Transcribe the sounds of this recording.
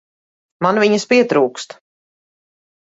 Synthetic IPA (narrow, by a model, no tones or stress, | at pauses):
manviɲəspiɛt̪ɾuːkst̪